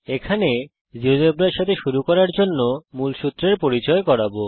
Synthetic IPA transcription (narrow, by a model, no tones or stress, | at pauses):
ekʰane | d͡ʑiod͡ʑeb̚ɾaɾʃat̪ʰeʃuɾukɔɾaɾd͡ʑonːomulʃut̪ːɾeɾpoɾit͡ɕɔekɔɾabo